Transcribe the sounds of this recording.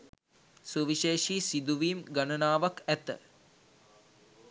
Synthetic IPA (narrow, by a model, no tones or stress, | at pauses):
suʋiʃeːʃiːsid̪uʋiːmɡanənaːʋakæt̪ə̰